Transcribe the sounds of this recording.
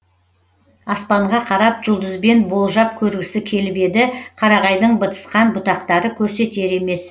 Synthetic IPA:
ɑspɑɴʁɑqʰɑɾɑpʒʊlˠd̪əzbe̞nbo̞lˠʒɑp̚kʲʰɵɾɡʲɪsɪkʲʰe̞lbe̞d̪ɪqʰɑɾɑʁɑjd̪əɴbət̪ə̥sqɑnbʊt̪ɑqt̪ɑɾəkʲʰɵɾse̞t̪e̞ɾe̞me̞s

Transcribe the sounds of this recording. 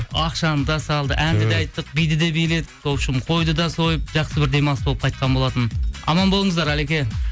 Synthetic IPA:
ɑqʃɑnəd̪ɑsɑlˠd̪ə̰ʔænd̪ɪd̪eɑjt̪ːəq̚bijd̪ɪd̪ebeled̪ɪkkʰowʃɪmqʰo̞jd̪əd̪ɑso̞jəp̚ʒɑqsəbɪɾd̪e̞mɑnsbo̞lˠəp̚qʰɑjt̪̚qʰɑnbo̞lˠɑt̪ənɑ̰mɑnbo̞lˠəɴəzd̪ɑɾæle̞kʲe̞

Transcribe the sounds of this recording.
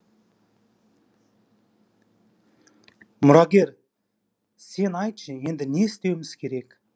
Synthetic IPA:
mʊɾɑɡʲe̞ɾ | se̞nɑjt̪əʃəe̞nd̪ɪneɪst̪e̞wɪmɪz̥kʲʰe̞ɾe̞k

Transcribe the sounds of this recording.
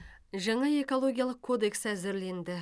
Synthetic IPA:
ʒɑɴɑe̞ko̞lˠo̞ɡʲijalˠəqkʰːo̞d̪e̞ksæzɪɾle̞nd̪ɪ

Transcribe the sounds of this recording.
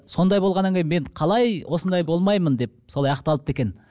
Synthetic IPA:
so̞nd̪ɑjbo̞lˠʁɑnːɑŋkʲʰejme̞ɴqʰɑlˠɑjwʔosənd̪ɑjbo̞lˠmɑjmənd̪e̞p̚solˠɑjɑqt̪ɑlˠəp̚t̪e̞kʲen

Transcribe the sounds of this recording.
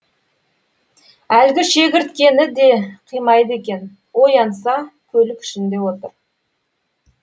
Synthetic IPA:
ælɡʲɪʃe̞ɡʲɪɾt̪kʲe̞nɪd̪e̞qʰijmɑjd̪əe̞kʲe̞n | wo̞jɑnsɑkʲʰɵlɪkʲʰʏ̥ʃɪnd̪e̞wo̞t̪əɾ

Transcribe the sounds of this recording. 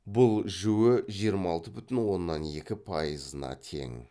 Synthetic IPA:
bʊlˠʒʏwɪʒijəɾmɑɑlˠt̪əbʏt̪ɪnwo̞nːɑne̞kʲɪpʰɑjəzənɑ̰t̪ʰe̞̰ŋ

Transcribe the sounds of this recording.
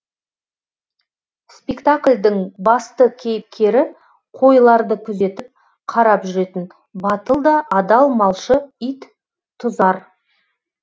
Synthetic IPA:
spʲekt̪akʲlʲd̪ɪŋbɑst̪əkʲʰe̞jɪp̚kʲe̞ɾɪ | qʰo̞jlˠɑɾd̪əkʲʰʏze̞t̪ɪp̚ | qʰɑɾɑpʒʏɾe̞t̪ɪn | bɑt̪əlˠd̪ɑʔɑd̪ɑlˠmɑlˠʃəijt̪ | t̪ʰːʊzɑɾ

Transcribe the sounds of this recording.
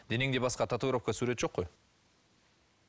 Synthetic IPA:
d̪̥eneŋd̪ebɑsqɑt̪ʰat̪oɡɾofkasuɾe̞t̪ʒoqːoj

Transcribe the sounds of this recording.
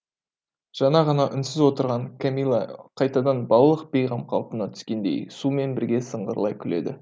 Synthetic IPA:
ʒ̥ɑnɑʁɑnɑʔʏnsɪzwo̞t̪əɾʁɑŋkʰamijlˠɑ̰qʰɑjt̪ɑd̪ɑnbɑlˠlˠəq̚bejʁɑmqʰɑlˠpənɑt̪ʰʏ̥skʲe̞nd̪e̞̰jsume̞nbɪɾɡʲe̞səɴʁə̰ɾəlˠɑjkʲʰʏle̞̰d̪ɪ

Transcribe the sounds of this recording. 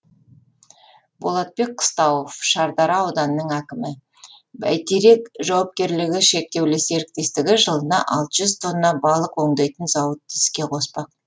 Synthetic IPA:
b̥o̞lˠɑt̪̚be̞k̚qʰːə̥st̪ɑwofʃɑɾd̪ɑɾɑɑwd̪ɑnəːəɴækʲɪmɪ | bæ̰jt̪eɾe̞kʒɑwɑp̚kʲe̞ɾlɪɡʲɪʃe̞k̚t̪e̞wlɪseɾɪk̚t̪e̞st̪ɪɡʲɪʒəlˠənɑʔɑ̰lˠt̪əʒʏzt̪ʰo̞nːɑbɑlˠəqwo̞ɴd̪ɑjt̪ənzɑwət̪ʰːɪskʲe̞qʰo̞spɑq̚

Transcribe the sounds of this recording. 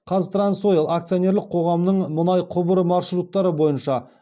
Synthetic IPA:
qʰɑzt̪ɾanso̞jɪlˠak̚t̪sio̞nʲe̞ɾlɪq̚qʰo̞ʁɑmnəɴmʊnɑjqʰʊbəɾmɑrʃrut̪ːɑɾəbo̞jənʃɑ

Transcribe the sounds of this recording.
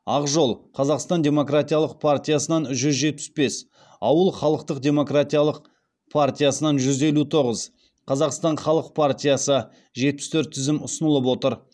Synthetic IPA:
ɑqʒo̞lˠqʰɑzɑqst̪ɑnd̪ʲe̞mo̞krat̪ʲijalˠəq̚pʰart̪ʲijasənɑnʒʏzʒe̞t̪̚pɪ̥sbe̞s | ɑwəlˠχɑlˠəqt̪əqd̪ʲe̞mo̞krat̪ʲijalˠəq | pʰart̪ʲijasənɑnʒʏze̞lut̪ʰo̞ʁəz | qʰɑzɑqst̪ɑɴχɑlˠəq̚pʰart̪ʲijasə | ʒe̞t̪̚pɪst̪ʰɵɾt̪ʰːʏzɪmʊsənəlˠəp̬wo̞t̪əɾ

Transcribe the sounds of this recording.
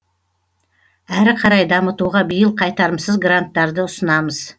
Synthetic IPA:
æɾqʰɑɾɑjd̪ɑmət̪uʁɑbijəlˠqʰɑjt̪ɑɾəmsəzɡrant̪ːɑɾd̪əʊsənɑməz̥

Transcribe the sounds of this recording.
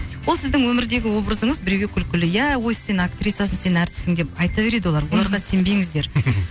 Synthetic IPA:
wo̞lˠsɪzd̪ɪŋwɵmɪɾd̪e̞ɡʲɪwo̞bɾəzəɴəzbɪɾewɡʲekʲʰʏlkʲɪlɪjæwo̞jsse̞nakt̪ɾʲit̪ːasənse̞nnæɾt̪ɪ̥sɪŋd̪e̞p̚ɑjt̪ɑve̞ɾe̞d̪ɪwo̞lˠɑɾwolˠɑɾʁɑse̞mbe̞ŋɪzd̪e̞ɾ

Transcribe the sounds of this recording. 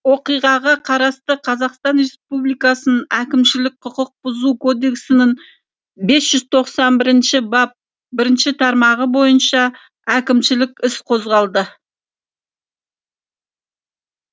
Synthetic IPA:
wo̞qijʁɑʁɑqʰɑɾɑst̪əqʰɑzɑqst̪ɑnɾe̞spublˠijkɑsənənækʲɪmʃɪlɪk̚ʲqʰʊqəq̚b̥ʊzukʰo̞d̪e̞ksɪnɪɴ | be̞sʒ̥ʏzt̪ʰo̞qsɑnbɪɾɪnʃɪbɑp̚ | bɪɾɪnʃɪt̪ʰɑɾmɑʁəbo̞jənʃɑ | ækʲɪmʃɪlɪkʲɪsqʰo̞zʁɑlˠd̪ə

